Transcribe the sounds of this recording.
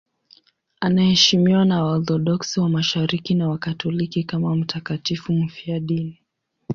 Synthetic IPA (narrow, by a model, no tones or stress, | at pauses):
anahɛʃimiwanaaɔθɔɗɔksiwamaʃaɾikinawakatɔlikikamam̩takatifum̩fiaɗini